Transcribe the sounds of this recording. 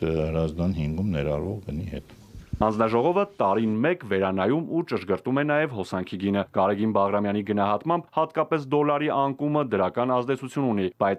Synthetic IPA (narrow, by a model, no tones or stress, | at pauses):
həɾɑzd̪ɑnhiŋɡumnɛɾɑɾvɔʁɡənihɛ̰t̪ | hɑnd͡znɑʒɔʁɔvət̪ɑɾinmɛkvɛɾɑnɑjumut͡ʃəʃɡəɾt̪umɛnɑjɛvɦɔsɑŋkʰiɡinəɡ̥ɑɾɛɡinbɑʁɾɑmjɑniɡənɑɦɑt̪mɑmbhɑt̪kɑpɛsd̪ɔlɑɾiʔɑŋkuməd̪əɾɑkɑnɑzd̪ɛt͡sʰut͡sʰjununib̥ɑjt͡s